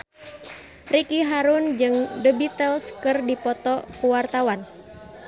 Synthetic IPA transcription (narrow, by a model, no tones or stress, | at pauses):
rikiɦaɾʊnd͡ʒɨŋdəbit̪əlskɨrdipɔt̪ɔkuwart̪awan